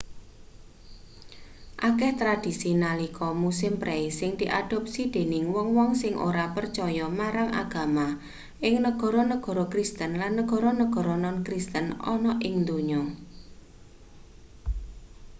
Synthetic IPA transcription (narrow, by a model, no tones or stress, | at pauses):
ʔakɛht̪ɾad̪̥i̤sinalikʰɔmusɪmpɾʔeisɪŋd̪̥iʔad̥ɔ̤p̚sid̪̥e̤nɪŋwɔŋwɔŋsɪŋʔo̰ɾapərt͡ʃɔjɔmaɾaŋʔa̰ɡ̥ä̤ma | ʔɪŋnəɡ̥ɔ̤ɾɔnəɡ̥ɔ̤ɾɔkɾist̪ənlanːəɡ̥ɔ̤ɾɔnəɡ̥ɔ̤ɾɔnɔnkɾist̪ənɔ̰nɔʔɪŋd̪oɲɔ